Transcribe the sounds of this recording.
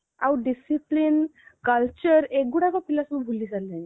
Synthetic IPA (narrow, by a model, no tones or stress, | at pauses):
a̰wɖisiplinkəlt͡ɕəɾek̚ɡuɽakɔpilasumubʱulːid͡zalːani